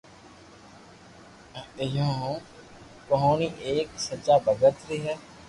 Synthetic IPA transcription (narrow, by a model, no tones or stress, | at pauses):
ɪjõː | kəɦõːniːʔeːksət͡ʃaːbəɡət̪ɾeːɦɛː